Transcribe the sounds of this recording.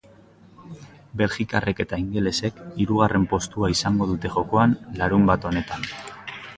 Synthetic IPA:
be̞lxikare̞ke̞t̪aiŋɡe̞le̞se̞kiɾuɣ̞are̞mpo̞st̪uaisaŋɡo̞ð̞ut̪e̞ʝo̞ko̞anlaɾumbat̪o̞ne̞t̪an

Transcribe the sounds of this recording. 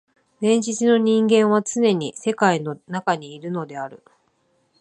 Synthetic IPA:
ɾẽ̞ɲ̟d͡ʑit͡sɨno̞ɲ̟ĩŋɡẽ̞ɰ̃β̞at͡sɨne̞ɲ̟ise̞kaino̞nakaɲ̟iːɾɯ̟no̞d̪e̞aɾɯ̟

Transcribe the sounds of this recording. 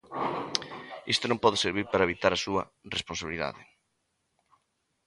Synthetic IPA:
ist̪onõmpɔðeseɾβiɾpaɾɐeβit̪aɾɐsuɐ | respõnsaβiliða̰ðɪ̰

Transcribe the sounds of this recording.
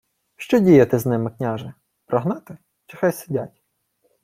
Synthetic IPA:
ʃt͡ʃɔdʲijɐt̪ɪznɪmɪknʲaʒɪ | pɾʔɔɦnɑt̪ɪ | t͡ʃɪxajsɪdʲatʲ

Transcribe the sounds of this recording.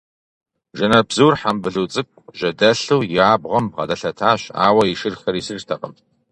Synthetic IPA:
ʒɐnɐbzuːrħambɨɮuːt͡sʼɨk̚ʷʼʒ̥ɐdɐɬuːjɪaːbʁɐmʁɐ̰dɐɬɐtʰaːɕa̰ːwɐiʃɨrxɐɾisɨrtʰɐqɐm

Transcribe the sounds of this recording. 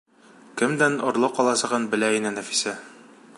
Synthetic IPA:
kɘ̆md̪ænŏɾlˠɤqɒlˠɑsɤ̆ʁɤnbɘ̆læinɘnæfi̥sæ

